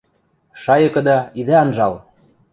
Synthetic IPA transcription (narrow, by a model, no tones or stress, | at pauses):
ʃɑjɤ̆kɤ̆d̪ɑid̪æɑnʒɑl